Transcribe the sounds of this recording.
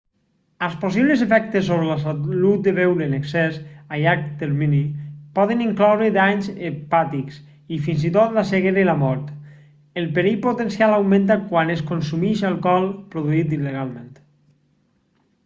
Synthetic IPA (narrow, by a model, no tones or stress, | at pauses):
alˠspos̬iβlezefɛk̚t̪esːoβɾelasalut̪̚d̪eβewɾeneksɛsajak̚t̪eɾminipɔð̞eniŋklɔwɾed̪aɲzepat̪iks | ifinzit̪ot̪laseɣeɾelamɔɾt̪ | elˠpeɾijpot̪ensialawmẽnt̪̬akwaneskonsumiʃalˠkɔlˠpɾoðuit̪̬ileɣalˠment̪